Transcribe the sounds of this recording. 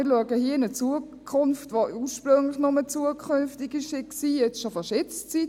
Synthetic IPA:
ɪɾluəɡəhiːəɪnət͡suə | kʰʊnftvoːʔuːʃpɾʏŋlɪxnʊmət͡suəkʰʏnftɪɡɪʃɪksiːjɛt͡sʃofɑʃɛt͡st͡sit

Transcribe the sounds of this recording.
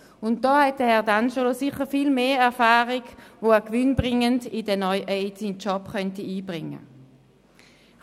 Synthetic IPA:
ʊnt̚d̥ɔːhɛt̚dəhɛɐdand͡ʒolosɪχəfiːlmeːɛɐfaːʁiɡvoɛkʋʏnbʁɪŋəndɪdɛnɔjʔɛɪtsint͡ʃɔpχœntiiːbʁɪŋːə̰

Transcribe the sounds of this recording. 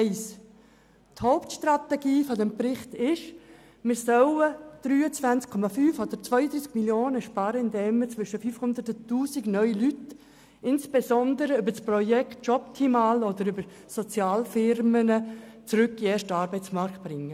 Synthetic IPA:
ɪs | thɔʊptʃtrat̪ɛɡiːfɔdɛmprɪχt̪ɪʃ | mɪɾsœwəd̥ɾyːət͡sʋænt͡skʰɔmafyːfod̥̪əɾt͡svœʏəd̪ɾiːskmiljoːnəʃpɑːɾəɪndɛmət͡sʋʏʃəfyːfhʊnd̪əɾtʊtuːsiɡnœʏlyt | ɪnsb̥esɔnd̪əɾəʏbəsprɔjɛkt̚t͡ʃɔp̚tʰimaːlɔd̪əɾʏbəɾ | sɔt͡sjɑːlfɪɾmənət͡sɾʏkːieːʃtəɑːɾbɛɪt͡smɑɾkt̚b̥ɾɪŋːə

